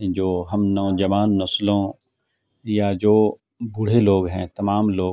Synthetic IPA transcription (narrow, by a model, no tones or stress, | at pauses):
d͡ʒoːɦɐmnɔːd͡ʒɐʋaːnːɐslõ | jad͡ʒoː | bʊɽ̤eloːɡɦɛ̃ːt̪ɐmaːmloː